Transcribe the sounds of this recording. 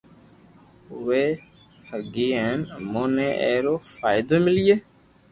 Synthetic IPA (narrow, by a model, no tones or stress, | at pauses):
ʋeː | həɡiːɛnmoːneːʔɛ̰ːɾoːfaːɪd̪oːmɪlijeː